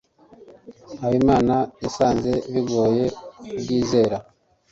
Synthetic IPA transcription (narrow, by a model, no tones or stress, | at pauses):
haβimaːnajasaːnze̞βiɡo̞ːje̞ubɡiːze̞ːɾa